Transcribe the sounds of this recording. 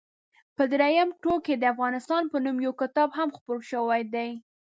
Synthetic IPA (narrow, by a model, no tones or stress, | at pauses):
pəd̪ɾajamʈoked̪əafɣɑnɪst̪ɑnpənumjawkɪt̪ɑbɦamxpoɾʃəwajd̪aj